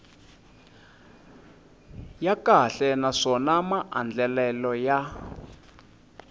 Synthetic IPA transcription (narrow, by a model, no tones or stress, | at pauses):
jakaɬɛnaʂɔnamaʔa̰nd͡ɮɛlɛlɔja